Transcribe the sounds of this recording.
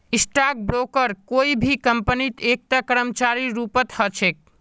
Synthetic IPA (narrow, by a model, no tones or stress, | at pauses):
ɪsʈak̚bɾokəɾkoːibʱikəmpənit̪eːk̚t̪akəɾəmt͡ʃaɾiɾuːpət̪hət͡ʃʰek̚